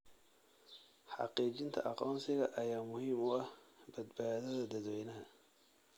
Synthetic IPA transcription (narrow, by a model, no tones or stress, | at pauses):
ħɑ̰qiːt͡ʃɪnt̪ʰɐ̰ʔɑqɔːmsɪɣɐʔɐjaːmʊhiːmʊɐhbɐd̪baːðɐðɐd̪ɐðwɛjnɐɦɐ